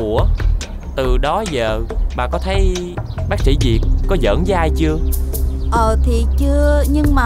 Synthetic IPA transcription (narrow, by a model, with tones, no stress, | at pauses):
ə | t̪ɨ˨˩ɗɔ˨˦zəː˨˩ɓa̰ː˨˩kɔ˨˦t̪ʰə˨˦j | ɓaː˦˥k̚sḭ˧˩zi˨˩t̚kɔ˨˦zə̰ː˧˥nzəː˨˦jʔaː˧jt͡ɕɨ˧əʔəː˨˩t̪ʰi˨˩t͡ɕɨ˧əɲɨ˧ŋmaː˨